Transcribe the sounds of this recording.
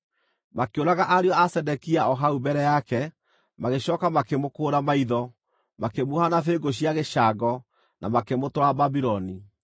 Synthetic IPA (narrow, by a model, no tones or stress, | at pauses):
makeoɾaɣaʔaɾeɔasɛdɛkiaɔɦaubɛɾɛjakɛ | maɣeɕɔːkamakemokoːɾamaiðɔ | makemwuhanafeɡoɕ̬iaɣeʃaɡɔ | nʔa̰makemotoɾababiɾɔni